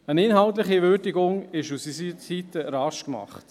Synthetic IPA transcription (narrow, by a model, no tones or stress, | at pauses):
ənɪnɦɑwtləχiʋʏːɾdiɡʊŋɪʃusisisitəɾɑʃkmɑ̰χt